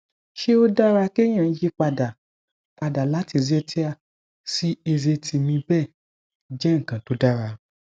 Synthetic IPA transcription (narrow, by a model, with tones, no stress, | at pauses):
ʃe˦o˦da˦ɾa˧ke˦j̃ã˦˨˦je˦k͡pa˧da˨ | k͡pa˧da˨la˨˦ti˧˨zɛ˧tʰi˦a˧ | si˦e˧ze˧tʰi˧mĩ˧bɛ˦˨ | d͡ʒɛ˦ŋ̩˨kã˨to˨˦da˦ɾa˧